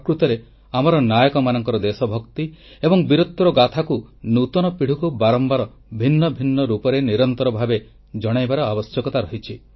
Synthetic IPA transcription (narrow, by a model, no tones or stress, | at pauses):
kɾut̪ɔɾe | amɔɾɔnajɔkɔmanɔŋkɔɾɔd̪esɔbʱɔkt̪iebɔŋbiɾot̪ːɾɔɡat̪ʰakunut̪ɔnɔpiɽ̤ukubaɾɔmbaɾɔ | bʱinːɔbʱinːɔɾupɔɾeniɾɔnt̪ɔɾɔbʱabe | d͡ʒɔɽ̃ajbaɾɔabɔsjɔkɔt̪aɾɔɦit͡ʃʰi